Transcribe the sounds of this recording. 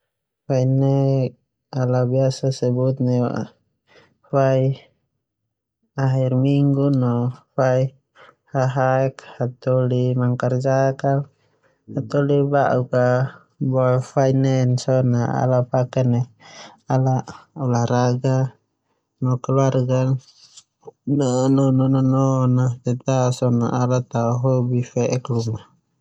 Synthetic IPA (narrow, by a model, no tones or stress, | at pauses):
fainɛ | alabiasasɛbut̪̚nɛ̰ʔ | fai | aɦirmiŋɡunɔfai | haɦaɛkhat̪ɔlimaŋkard͡ʒaka | hat̪ɔlibaʔuka | bɔafainɛnsɔnaa̰lapakɛnɛalaʔulahɾaɡa | nɔkɛluarɡa | nnɔnɔnɔnɔnat̪ɛt̪asɔna̰ʔalat̪auɦɔbifɛʔɛkluna